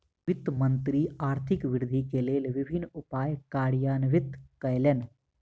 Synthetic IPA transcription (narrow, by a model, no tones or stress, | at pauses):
ʋɪt̪mənt̪ɾiaːɾt̪ʰɪkʋɪɾd̪ʱikeːleːlʋɪbʱɪnʊpaːjkaːɽjaːnʋɪt̪kɐjlen